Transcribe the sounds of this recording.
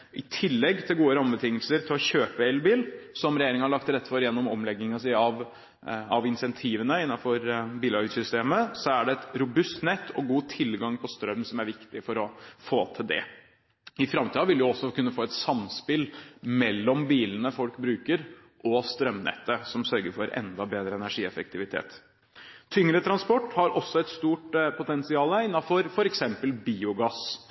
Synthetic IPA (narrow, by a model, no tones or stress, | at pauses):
ʔɪt̪ʰɪlːɛɡːt̪ʰɪlɡuːəɾɑmbət̪ʰɪŋːəlsəɾt̪ʰɪlɔɕøːpəɛlbiːlsɔmɾɛjeɾɪŋəhɑɭɑkt̪ɾɛt̪ːfɔɾjɛnːɔmɔmlɛɡːɪŋɑs̬ɪːɑʋ | ɑʋɪnsɛnt̪ʰiːʋənəɪnːɑfɔɾbiːlɑɾɡsʏst̪eːməsɔæɖɛɛt̪ɾʊbʉst̪nɛt̪ːɔɡuːt̪ʰɪlɡɑŋpʰɔst̪ɾœmːsɔmæɾʋɪkt̪ɪfɔɾɔfoːt̪ʰɪld̪ɛ̰ | ɪfɾɑmt̪iːɑʋɪlʋjʊɔsːɔkʰʉnːəfoːɛt̪sɑmspɪlmɛlːɔmbiːlənəfɔlkbɾʉːkəɾ | ʔɔst̪ɾœmnɛ̰t̪ːəsɔmsœɾɡəɾfɔɾɛ̰nd̪ɑbeːd̪ɾəɛnæʂiːɛfək̚t̪ʰɪʋɪt̪ʰḛːt̪ | t̪ʰʏŋɾət̪ʰɾɑnspɔʈːhɑɾɔsːɔɛt̪st̪uːʈpʰʊt̪ɛnsɪɑːləɪnːɑfɔɾfɔɾɛksɛmpəlbiːʊɡɑs